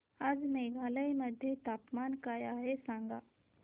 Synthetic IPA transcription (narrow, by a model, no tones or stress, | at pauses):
ad͡zmeɡʱaːləiməd̪ʱjet̪aːpmaːnkajaɦesãŋɡaː